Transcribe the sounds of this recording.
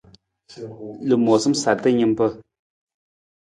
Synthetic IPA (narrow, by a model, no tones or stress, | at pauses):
ləp̚mosəmsart̪əɲənpə